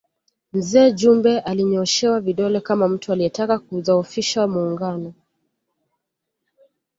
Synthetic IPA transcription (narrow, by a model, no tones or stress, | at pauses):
m̩zɛːʄumbɛʔaliɲɔʃɛwaviɗɔlɛkamam̩tualiɛtakak̚uðaɔfiʃawamuːŋɡanɔ